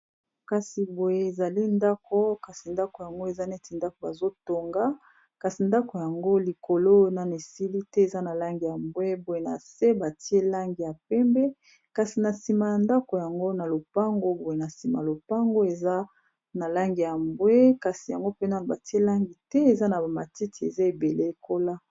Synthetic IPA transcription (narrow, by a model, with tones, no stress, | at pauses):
ka˨si˨bo˨je˨e˨za˨li˦nda˦kʰo˦ka˨si˨nda˦ko˨ja˨ŋɡo˦e˨za˦ne˦ti˨nda˦ko˨ba˨zo˦to˨ŋɡa˦ | ka˨si˨nda˦ko˨ja˨ŋɡo˦li˨ko˨lo˦na˨ne˨si˦li˦tɛ˦e˨za˦na˨la˦ŋɡi˨ja˨mbwe˦bo˨je˨na̰˨se˦ba˨ti˦e˦la˦ŋɡi˨ja˨pɛ˦mbɛ˦ | ka˨si˨na˨si˨ma˨ja˨nda˦ko˨ja˨ŋɡo˦na˨lo˨pa˦ŋɡo˦bo˨je˨na˨si˨ma˨lo˨pa˦ŋɡo˦e˨za˦ | na˨la˦ŋɡi˨ja˨mbwe˦ka˨si˨ja˨ŋɡo˦pe˦na˦˨ba˨ti˦e˦la˦ŋɡi˨tɛ˦e˨za˦na˨ba˨ma˨ti˦ti˨ḛ˨za˦e˨be˨le˦e˨ko˦la˦